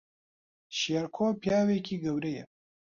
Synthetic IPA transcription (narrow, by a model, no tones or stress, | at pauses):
ʃeɾkʰoːpjɑːweːkʰiɡɐwɾɐjɐ